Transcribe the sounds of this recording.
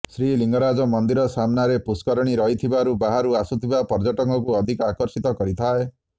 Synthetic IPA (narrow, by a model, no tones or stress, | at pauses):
sɾiliŋɡɔɾad͡ʒɔmɔnd̪iɾɔsamnaɾepuskɔɾɔɽ̃iɾɔɦit̪ʰibaɾubaɦaɾuasut̪ʰibapɔɾd͡ʒɔʈɔŋkɔkuɔd̪ʱikɔakɔɾsit̪ɔkɔɾit̪ʰae